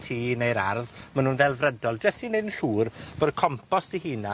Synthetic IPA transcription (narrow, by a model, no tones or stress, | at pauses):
tʰiːnejɾarðmanuːnðɛlˠvrədɔlˠdwɛsinednɬuːrb̥odkʰɔmpʰɔsihiːna